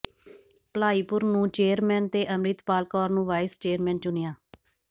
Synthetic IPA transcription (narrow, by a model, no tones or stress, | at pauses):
pəlaːiːpʊɾnũːt͡ʃeːɾmɛːnt̪eːʔəmɾɪt̪paːlkɔːɾnũːʋaːɪst͡ʃeːɾmɛ̃ːnt͡ʃʊnɪjãː